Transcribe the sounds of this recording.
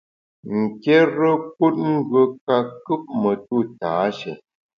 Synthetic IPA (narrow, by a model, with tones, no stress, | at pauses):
ŋ̩˨ke˦ɾə˦k̚u˦t̚ŋ̩˦ɡə˨ka˦kɨ˦p̚mə˨tu˦˨taː˨˦ʃɛ̰˨